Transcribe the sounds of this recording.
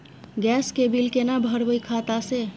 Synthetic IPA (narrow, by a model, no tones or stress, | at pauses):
ɡɛskebilkenabʱəɾbəjkʰat̪ase